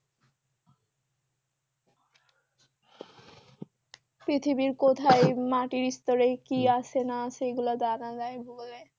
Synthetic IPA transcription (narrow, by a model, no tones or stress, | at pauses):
pɾit̪ʰibiɾkot̪ʰaemaʈiɾist̪oɾekiaʃʰenaʃeɡulad̪anad͡ʑaebʱuɡle